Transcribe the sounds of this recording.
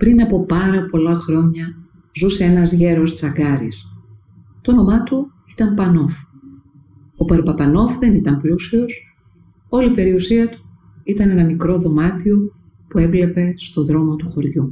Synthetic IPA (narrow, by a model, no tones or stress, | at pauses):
pɾinɐpo̞pɐɾɐpo̞lɐxɾo̞ɲɐ | zuse̞enɐzʝe̞ɾo̞st͡sɐɡɐɾḭs | t̪ono̞mɐt̪u | i̥t̪ɐmpɐno̞f | o̞pɐɾpɐpɐno̞fðe̞nit̪ɐmplusio̞s | o̞lipe̞ɾiusiɐt̪u̥ | it̪ɐne̞nɐmikɾo̞ðo̞mɐt̪io̞ | pue̞vle̞pe̞st̪o̞ðɾo̞mo̞t̪uxo̞ɾʝu